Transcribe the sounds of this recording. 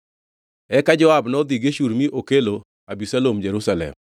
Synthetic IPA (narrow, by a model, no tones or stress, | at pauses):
ɛkad͡ʒɔabnɔd̪iɡeʃuɾmiʔokelo | abisalomd͡ʒeɾusalɛ̰m